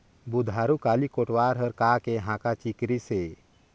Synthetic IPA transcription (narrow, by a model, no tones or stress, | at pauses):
bud̪ʱaɾukaːlikoʈwaɾɦəɾkakeɦãkat͡ʃikɾise